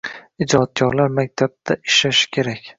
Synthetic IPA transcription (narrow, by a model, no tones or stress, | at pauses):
ɪd͡ʒɒt̪̚kʰʲɒɾlaɾmak̚ʲt̪ʰab̚d̪aʔɪʃaʃɪ̥kʲʰe̞ɾakʲ